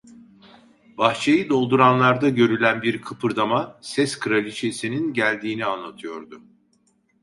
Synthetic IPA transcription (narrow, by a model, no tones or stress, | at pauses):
b̥axt͡ʃʰejɯd̪o̞lˠd̪uɾanlˠaɾd̪aɟø̞ɾylʲænbiɾkʰɯpʰɯɾd̪amasɛskʰɯɾalʲit͡ʃʰesininɟælʲd̪iːnianlˠat̪ʰɯjo̞ɾd̪ʊ